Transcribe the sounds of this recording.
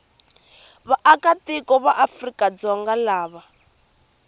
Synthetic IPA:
βaʔakatikɔβaʔafrikad͡zɔŋɡalaːβa

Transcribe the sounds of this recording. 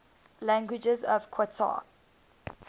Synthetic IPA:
læ̃ŋɡwɪd͡ʒəzɔvkʰwɔtʰa̰

